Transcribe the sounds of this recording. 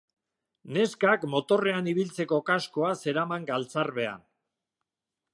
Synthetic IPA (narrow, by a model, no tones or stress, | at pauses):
ne̞skakmo̞t̪o̞re̞aniβ̞ilt͡se̞ko̞kasko̞ase̞ɾamaŋɡalt͡sarβe̞a̰n